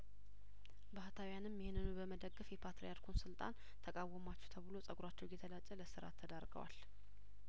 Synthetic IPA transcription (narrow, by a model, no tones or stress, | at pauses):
baht̪ʰawjanɨmjɪhnɨnubəməd̪əɡːɨfjɛpʰat̪ɾejaɾkʰunsɨlt̪ʼa̰n | t̪ʰəkʼawːəmat͡ʃːɛwt̪ʰəβɨlo̞sʼəɡuɾat͡ʃːɛwɡɛt̪ʰəlat͡ʃʼːələsɨɾa̰t̪ʰːəd̪aɾɡə̰wa̰l